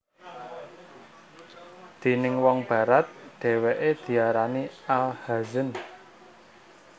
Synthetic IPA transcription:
d̪̥e̤nɪŋwɔŋb̥ä̤ɾat̪̚ɖ̥ɛ̤weʔed̪̥i̤aɾanialhazən

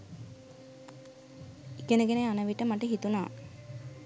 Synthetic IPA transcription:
ikenəɡenejanəʋiʈəmaʈəɦit̪una̰ː

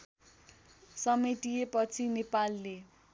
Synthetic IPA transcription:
sʌmeʈijepʌt͡sʰinepalːe

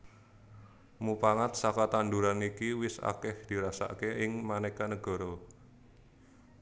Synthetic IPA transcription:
mupaŋat̪̚sakat̪and̪uɾanikiwɪsa̰kɪhd̪̥i̤ɾasa̰keɪŋmanɛkanəɡ̥ɔ̤ɾɔ

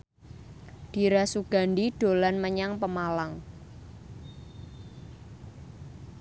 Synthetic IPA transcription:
d̥i̤ɾasuɡ̥a̤nɖiɖ̥o̤lanməɲaŋpəmalaŋ

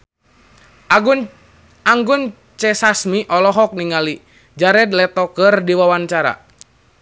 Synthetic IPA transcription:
aŋɡun | t͡ʃɛsasmiʔɔlɔɦɔk̚niŋali | d͡ʒaɾɛd̪̚lɛt̪ɔkərdiwawaɲt͡ʃaɾa̰

